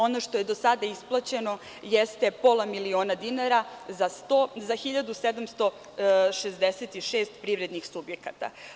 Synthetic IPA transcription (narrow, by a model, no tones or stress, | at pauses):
o̞noʃt̪oje̞d̪osad̪aisplˠat͡ɕe̞no̞ | jest̪e̞po̞lamilioːnad̪inaɾazast̪ozaxiʎad̪used̪amst̪o̞ | ʃezd̪eset̪iʃeːst̪pɾivɾed̪nixsubjekat̪a̰